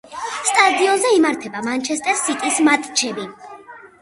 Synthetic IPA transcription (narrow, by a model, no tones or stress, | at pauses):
st̪ʼad̪iɔnzɛimaɾt̪ʰɛbamant͡ʃʰɛst̪ʼɛɾsit̪ʼismat̪ʼt͡ʃʰɛbi